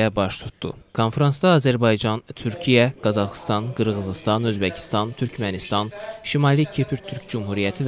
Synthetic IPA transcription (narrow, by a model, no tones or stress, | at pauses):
æbɑʃt̪ʰu̥t̪d̪ṵkʰo̞nfɾɑnsd̪ɑːzæɾbɑjd͡ʒɑnt̪ʰyɾcʰijæɡ̥ɑzɑχst̪ɑnɡɯɾʁɯzist̪ɑnø̞zbæcʰi̥st̪ɑnt̪ʰyɾcʰmænist̪ɑnʃimɑlicʰipʰiɾt̪ʰyɾcd͡ʒumhuɾijæt̪ʰiv